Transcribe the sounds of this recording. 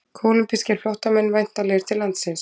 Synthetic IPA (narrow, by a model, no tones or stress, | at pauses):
kʰoːwlʏmpiscɪ̥fljɔht̪amɛnːvajn̥t̪alɛːɣɪɾ̥t̪ʰɪlːant̪sɪns